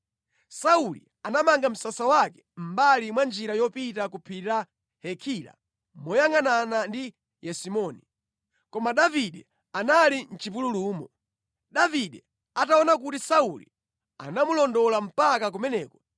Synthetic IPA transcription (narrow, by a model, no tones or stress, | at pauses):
saulḭ | anamaŋɡam̩sasawakɛ̥m̩balimwand͡ʒiɾajɔpitakupʰita | hɛkʰila̰ | mɔjaŋananandi | jɛsimɔni | kɔmaɗaviɗɛ | analin̩t͡ʃip̬ululuːmɔ | ɗaviɗɛ | ataɔnak̬utisaulḭ | a̰namulɔndɔlam̩pakak̬umɛnɛːkɔ̥